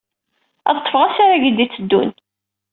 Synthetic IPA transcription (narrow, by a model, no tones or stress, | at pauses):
æ̰ðˤət̪ːˤə̥fʁasaɾaʝid̪it͡sːəd̪ːṵn